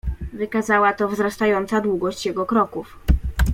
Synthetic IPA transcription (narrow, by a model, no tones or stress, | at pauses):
vɘkazawat̪ɔvzɾast̪ajɔnt̪sad̪wuɡɔɕt͡ɕjɛɡɔkɾɔkuf